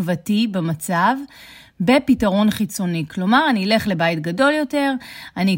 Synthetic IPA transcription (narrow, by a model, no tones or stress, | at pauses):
vatibemat͡sav | be̞pitaʁo̞nχit͡so̞niklo̞maʁaniːle̞χle̞bajtɡado̞ljo̞te̞ʁani